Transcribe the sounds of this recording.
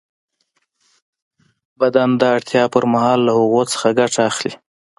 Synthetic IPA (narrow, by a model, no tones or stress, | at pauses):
bad̪and̪əaɽt̪jɑpəɾmahɑlːahʊɣot͡sə̥xaɡaʈaːxlḭ